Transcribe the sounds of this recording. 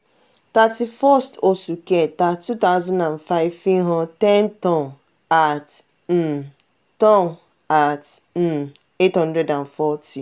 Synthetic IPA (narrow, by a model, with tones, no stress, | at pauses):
ta˨ti˨fɔ˦sto˨su˨ke˦˨ta˨tu˦ta˦ʊzɔ̃˦ndã˨nfa˦ɪ˦vfi˦ɦɔ̃˦ntɛ˦ntɔ̃˦˨n | a˨t̩˨ | tɔ̃˦n | a˨t̩˨ | e˦thɔ̃˦ndɾɛ˦dã˨nfɔ˦tʰi˨